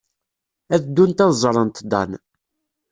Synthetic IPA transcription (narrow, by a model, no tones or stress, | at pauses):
æðd̪ːunt̪ɑðzˤɾˤənt̪d̪ɑ̰n